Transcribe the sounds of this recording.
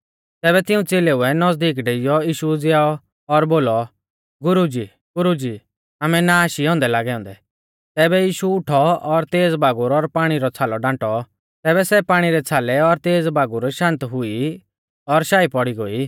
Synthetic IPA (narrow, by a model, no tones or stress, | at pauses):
t̪ɛːβɛt̪ɪũt͡seːleʊɛnɐzd̪iːk̬ɖeɪjɔiːʃud͡zɪaːɔ | ɔɾboːlɔ | ɡʊɾud͡ʒiː | ɡʊɾud͡ʒiː | aːmɛnaaːʃiɦɔ̃ːnd̪ɛlaːɡɛɔ̃ːnd̪ɛ | t̪ɛːbɛjiːʃuʊʈʰɔɔɾt̪eːd͡zbʱaːɡʊɾɔɾpaːɽ̃iɾɔt͡sʰaːlɔɖãːʈɔ | t̪ɛːβɛsɛpaːɽ̃iɾɛt͡sʰaːlɛɔɾt̪eːd͡zbʱaːɡʊɾʃãːnt̪ɦʊi | ɔɾʃaːipɔɽiɡoːi